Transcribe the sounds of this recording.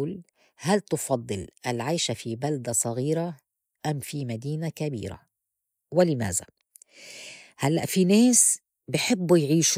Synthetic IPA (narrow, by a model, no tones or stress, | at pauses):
l | halt̪ʊfɑd̪ˤːɨlʔalʕajʃafibald̪asˤɑɣiːɾa | ʔamːfimad̪iːnakabḭːɾa̰ | wɪlɪma̰ːza̰ | halːa̰ʔfineːs | bɪħɪbːujʕiːʃ